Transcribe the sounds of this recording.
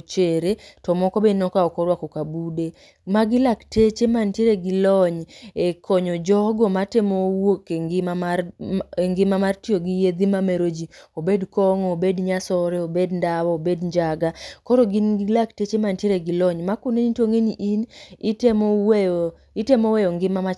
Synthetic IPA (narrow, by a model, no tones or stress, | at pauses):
t͡ʃeɾetɔmɔkɔbenɔkaɔkɔɾwakɔkabude | maɡɪlaktet͡ʃemantjeɾeɡɪlɔɲekʰɔɲɔd͡ʒɔɡɔmatemowokeŋɡɪmam | eŋɡɪmamartjoɡijed̪imameɾod͡ʒiobedkɔŋobedɲasɔɾɛobedndawɔːbedɲd͡ʒaɡakɔɾɔɡɪnilaktet͡ʃemantjeɾeɡɪlɔɲmakʊneɲitoŋeɲiʔinɪtemɔwe | ɪtemowejɔŋɡɪmama